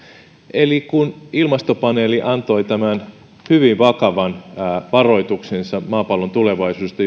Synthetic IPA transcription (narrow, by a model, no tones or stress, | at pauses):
ʔelikunilmɑst̪opɑneːliʔɑnt̪o̞ijt̪æmæn | hyʋiʋʋɑkɑʋɑnʋɑro̞jt̪uksensɑmɑːpɑlːont̪ule̞ʋɑisuːest̪ɑ